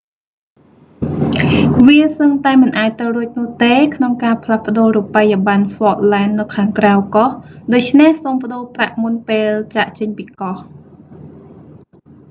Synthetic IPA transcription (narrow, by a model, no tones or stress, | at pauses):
ʋiəsəŋt̪aɛmɨnʔaːc̚t̪ɨwruəc̚nʊ̆əht̪eːkʰnoŋkaːpʰlahpə̆ɗoːruːpːajaɓanfɔːʔ̚laɛnːɨwkʰaːŋkrawkɑhɗoːc̚t͡ɕʰnehsoːmpə̆ɗoːpraʔmunpeːlt͡ɕaʔt͡ɕəɲpiːkɑh